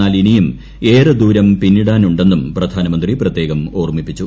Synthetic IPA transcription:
aːlinijum | e̞ːrɨd̪uːɾɐmpinːiɽaːnuɳɖe̞nːumprɐd̪ʱaːnɐmɐnd̪riprɐt̪je̞ːɣɐmo̞ːrmipːit͡ɕːu

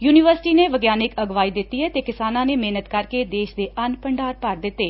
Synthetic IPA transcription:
juːnɪʋəɾsʈiːneːʋəɡjaːnɪkəɡʋaːiːd̪ɪt̪ːiːɦɛːt̪eːkɪsaːnãːneːmeːnət̪kəɾkeːd̪eːʃd̪eːʔənpəɳɖaːɾpəɾd̪ɪt̪ːeː

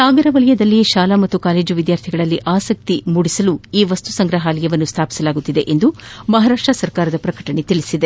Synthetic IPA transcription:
saːɡɐɾɐʋɐɭɐjɐd̪ɐlːiʃaːlamɐt̪ːukaːle̞ːd͡ʒuʋid̪jaːɾt̪ʰiɡɐɭɐlːiʔaːsɐk̚t̪imuɽisɐluiːʋɐst̪usɐŋɡɾɐɦaːlijɐʋɐnːust̪ʰaːpi̥sɐlaːɡut̪ːid̪e̞ʔend̪umɐɦaːɾaːʂʈɾɐsɐɾkaːɾɐd̪ɐpɾɐkɐʈɐɳet̪iɭisid̪e

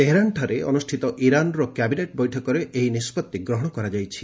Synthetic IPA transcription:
t̪eɦeɾanʈʰɔɾeɔ̰nusʈʰit̪ɔʔiɾanɾɔkjabineʈbɔjʈʰɔkɔɾeʔejnispɔt̪ːiɡɾɔɦɔɽɔkɔɾad͡ʒajt͡ʃʰi̥

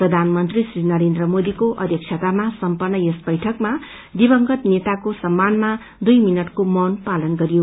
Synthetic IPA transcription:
prʌd̪ʱanmʌnt̪risrinʌɾend̪rʌmod̪ikoʔʌd̪jʌk̚t͡ʃʰʌt̪amasʌmpʌnːʌjʌsbʌjʈʰʌkma | d̪ibʌŋɡʌt̪net̪akosʌmːanma | d̪ujminʌʈkomʌnpalʌnɡʌɾijo

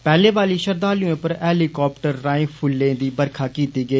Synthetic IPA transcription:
pɛːlẽːʋaːliːʃəɾd̪aːliõːpəɾɛːliːkɔːp̚ʈəɾːaːẽːpʰʊlːẽːd̪iːbəɾkʰaːkiːt̪iːɡəeː

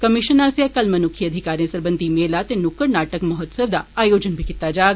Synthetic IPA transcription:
kɐmɪʃənaːsjakɐlmɐnʊkʰiɐd̪ʱikaːɾiə̃sɐɾbə̃nd̪ʱimeːlat̪enʊkːəɾnaːʈəkmɐɦɔt̪səʋd̪aaːjoːd͡ʒənbʱikɪt̪ːad͡ʒaːɡ

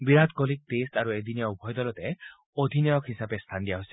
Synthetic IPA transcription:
biɾad̪kolik̚t̪estaɾued̪ʱiniɔubʱɔjd̪ɔlɔt̪e | od̪ʱinjɔjɔkɦisabest̪ʰand̪iaɦosi̥

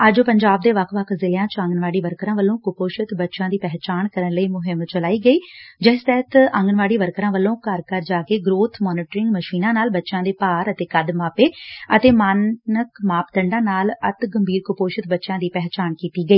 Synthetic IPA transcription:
əd͡ʒopəɲd͡ʒaːb̚d̪eːʋəkʰʋəkʰzɪljãːt͡ʃə̃ŋɡənʋaːɽiːʋəɾkɾãːʋəlːõːkʊpoːʃət̪bətːʃãːd̪iːpɛːɦt͡ʃaːnkəɾənləiːmʊɦɪmt͡ʃəlaːiːɡəiːd͡ʒɛːst̪ɛːt̪ə̃ŋɡənʋaːɽiːʋəɾkɾãːʋəlːõːkəɾkəɾd͡ʒaːkeːɡɾoːt̪ʰmɔːniːʈɾɪ̃ŋɡməʃiːnãːnaːlbətːʃãːd̪eːpaːɾət̪eːkəd̪maːpeːət̪eːmaːnəkmaːpt̪əɳɖãːnaːlət̪ɡəmbʱiːɾkʊpoːʃət̪̚bətːʃãːd̪iːpɛɦt͡ʃaːnkiːt̪iːɡəiː

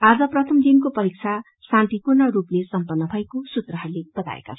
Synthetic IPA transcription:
ad͡zʌprʌt̪ʰʌmd̪inkopʌɾik̚t͡sʰa | sãnt̪ikurnʌɾuplesʌmpʌnːʌbʱʌekosut̪rʌɦʌrleb̥ʌt̪a̰ḛka̰t͡sʰ

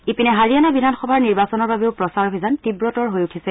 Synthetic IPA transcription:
ipinɛɦaɹijanabidʱanxɔbʱaɹniɹbasɔnɔɹbabɛʊpɹɔsaɹoɦizantibɹɔtɔɹɦojutʰisɛ

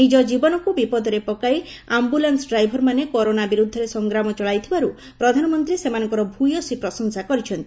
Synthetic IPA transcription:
id͡ʒɔd͡ʒibɔnɔkubipɔd̪ʱɔɾepɔkajambulansɔɖɾajbʱɔɾmanekɔɾonabiɾud̪ʱːɔɾesɔŋɡɾamɔt͡ʃɔɭajt̪ʰibaɾu | pɾɔd̪ʱanɔmɔnt̪ɾiesemanɔŋkɔɾɔbʱujosipɾɔsɔŋsakɔɾit͡ʃʰɔnt̪i

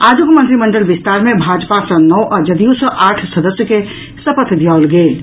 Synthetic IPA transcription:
ad͡ʒuɡmənt̪ɾiməɳɖəlbist̪aɾmẽbʱad͡ʒpasə̃nɔwʔɔd͡ʒəd̪iusə̃ʔaːʈʰsəd̪əsjəke | səpət̪ʰd̪jalɡeːl

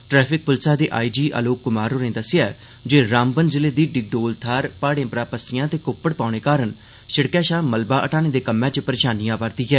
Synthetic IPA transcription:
ʈɾɛːpʰɪk̚pʊlsaːd̪eːʔa̰ːiːd͡ʒiːʔə̰loːkːʊmaːɾɦoːɾẽːd̪əsɪjaː | d͡ʒeːɾaːmbənd͡ʒɪleːd̪iːɖɪɡ̚ɖoːlt̪ʰaːɾpaːɽẽːpɾaːpəsɪjãːt̪eːkʊpːəɽpaːɽ̃eːkaːɾən | ʃəɽkɛːʃaːməlbaːʔəʈaːñeːd̪eːkəmːɛ̃ːt͡ʃəpəɾeːʃaːnijãːpəɾd̪iːɡɛː

